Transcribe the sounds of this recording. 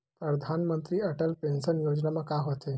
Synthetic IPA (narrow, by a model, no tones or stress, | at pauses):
pɾəɾd̪ʱanmənt̪ɾiəʈəlpensənjod͡ʒnamẽkaɦot̪e